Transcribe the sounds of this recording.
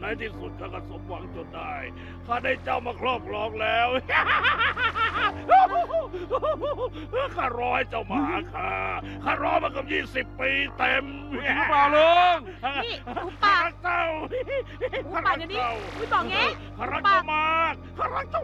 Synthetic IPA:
na˧˩jt̪ʰiː˧˩su˨˩t̪̚kʰaː˧˩ka˧˩so˨˦m̚wa˨˩˦ŋt͡ɕo˨˧˩t̪̚da˧˩j | kʰaː˧˩da˧˩jt͡ɕa˧˩wmaː˧kʰlɔː˧˩p̚kʰlɔː˧˥˩ŋ̚lɛː˦˥w | kʰaː˧˩ɾɔː˦˥jt͡ɕa˧˩wmaː˧˩kʰːaː˧˩ | kʰaː˧˥˩ɾɔː˦˥jmaː˧˩ka˧p̚jiː˥˩si˨˩pːiː˧t̪e˧m˦ | baː˧˩lo˧˦ŋ˧ | kʰaː˧˩ɾa˦˥k̚t͡ɕa˧˥˩w | aː˧˥˩a˧a˧kt͡ɕa˧˩wɔ˧ | kʰaː˧˩ɾa˦˥k̚t͡ɕa˧˩wmaː˧˩k̚ʰːaː˥˩ɾa˦˥k̚t͡ɕa˥˩w

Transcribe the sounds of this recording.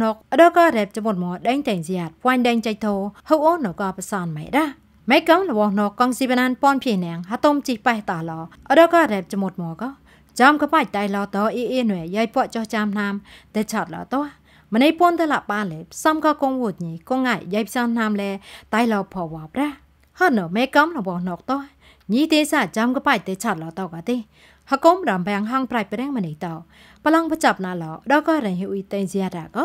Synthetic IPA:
nɔ˧k̚ʔəɗɔ˧kɑ˧ɾɛ˨˩p̚t͡ɕa˧mu˧t̪̚mɔ˧əɗə˧ŋt̪ɛ˨ŋsia˨t̪̚pwa˧ɲɗɛ˧ŋt͡ɕə˧c̚t̪ʰoː˧ho˧wʔo˧no˨˩kɑ˧pə˧sɑ˧nmɛ̰˨ɗa˧ | mɛ˧kːɔ˧ŋlə˨ʋɔ˧hno˧kːɔ˧ŋsi˧pa˧na˧npɔ˧npʰi˧əhnɛ˧əŋɦa˧t̪o˧mt͡ɕi˧hpa˧ht̪ɑ˧hlɔː˧ʔəɗɔ˧kɑ˧ɾɛː˨˩p̚t͡ɕamu˧t̪̚mɔəkɔ˧ | t͡ɕɑ˧mkɔ˧pa˧c̚t̪a˧jlɔː˧t̪ɔː˧ʔi˧ʔi˧n˨ɛ˨jə˧jpo˧əʔt͡ɕo˧ht͡ɕa˧mna˧mt̪ɛ˧t͡ɕʰɑ˧t̪̚lɔ̰ː˨t̪o˧ə | mə˨ni˧jpu˧ənt̪ə˧la˧ʔɓaː˧lɛː˨pʰsɑ˧mkɑ˧ko˧ŋwu˧t̪̚ɲi˨ko˧ŋːa˧˨jja˧jp̚ʰsɑ˧nna˧mlɛː˧t̪a˧jlɔː˧pʰɔ˨˧wɔ˨˧prɛəʔ | hɔ˧t̪̚nɔ˨mɛː˧kɔ˧mrɔ˨ɓɔ˨˧hno˨k̚t̪o˧əh | ɲi˧ht̪iː˧saː˧˩t͡ɕɑ˧mkɔ˧pa˧c̚t̪ɛ˧t͡ɕʰɑ˧˩t̪̚lɔ˨˩t̪ɔː˧ka˨t̪i˧ | hə˧ko˧mɾɑ˨mpɛ˧ŋɦɑ˧ŋpra˧k̚pɾɛ˧əŋmə˨ni˨ht̪ɔ˧ | pəlɑ˧ŋpə˧t͡ɕɑ˧˩p̚na˧˨ʔlɔː˨ɗɔ˧kɔ˧ɾə˨ɲɦʔu˧t̪e˧zia˧ɾaː˨kɔ˧˦

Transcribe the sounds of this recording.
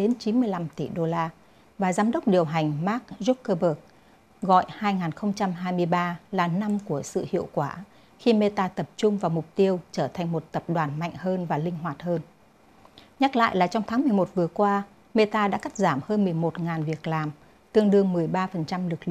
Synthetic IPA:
ɗe˨˦nt͡ɕi˨˦nmɨ˧əjla˧mt̪i˧˩ɗo˧laː˧ | vaː˨˩zaː˨˦mɗə˦˥k͡p̚ɗi˨˩əwɦa˨˩jŋ̟maː˦˥k̚zu˦˥p̚kəː˧ɓəː˨˩k̚ | ɣɔ̰˧˨jhaː˧jŋaː˨˩nxə˧wŋ͡mt͡ɕa˧mɦaː˧jmɨ˧əjɓaː˧laː˨˩na˧mku˧˩əsɨ̰˧˨hḭ˧˨əwkwaː˧˩ | xi˧me˧t̪aː˧t̪ə˨˩p̚t͡ɕʊ˧ŋ͡mvaː˨˩wmʊ˨˩k͡p̚t̪i˧əwt͡ɕəː˧˩t̪ʰa˨˩jŋ̟mo˨˩t̚t̪ə˨˩p̚ɗwaː˨˩nma̰˧˨jŋ̟həː˧nvaː˨˩lï˧ŋ̟ɦwaː˨˩t̚həː˧n | ɲa˦˥k̚la̰ː˧˨jlaː˨˩t͡ɕɔ˧wŋ͡mt̪ʰaː˨˦ŋmɨ˨˩əjmo˨˩t̚vɨ˨˩əkwaː˧ | me˧t̪aː˧ɗa̰ː˧˥ka˦˥k̚zaː˧˩mhəː˧nmɨ˨˩əjmo˨˩t̚ŋaː˨˩nvi˨˩ək̚laː˨˩m | t̪ɨ˧əŋɗɨ˧əŋmɨ˨˩əjɓaː˧fə˨˩nt͡ɕa˧mlɨ˨˩k̚lɨ̰˧˨

